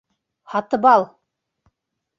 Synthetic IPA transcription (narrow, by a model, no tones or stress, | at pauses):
hɑt̪ɤ̆bɑlˠ